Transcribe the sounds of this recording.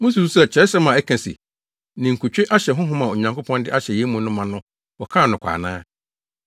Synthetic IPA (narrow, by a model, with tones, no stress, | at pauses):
mʊ̃˦s̬u˨su˦sɛ˦˨t͡ɕʰɛ˨˦sɛ˦mã˨ɛ˦kʰã˨sḭ˨ | nɪ̃˨ŋ̩˨kʰʊ˨t͡ɕᶣɪ˦ʔa˦ɕɛ˨ɦʊ̃˦ɦʊ̃˦mã˨o˨ɲã˨ŋko˦pʰɔ̃˦ndɪ̰˦ʔa˦ɕɛ˨je˦mũ˨nʊ̃˦mã˨nʊ̃˦ | wɔ˨kʰã˦˨nʊ̃˨kʰʷa̰ː˨nã̰ː˦